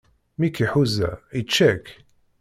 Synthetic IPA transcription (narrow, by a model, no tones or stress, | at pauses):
mikiħuzːæ̰it͡ʃːæk